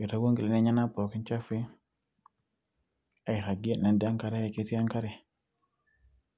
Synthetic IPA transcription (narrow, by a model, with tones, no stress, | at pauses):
i˨ta˦wo˦ŋɡi˨le˨ne˦ɲa˦na˦pɔ˨ki˦nt͡ʃa˦fi˦ | a˨i˨ɾa˨ɡi˦na˨nda˦ŋka˦ɾɛ˦˨i˨ke˦ti˦a˦ŋka˦ɾɛ˨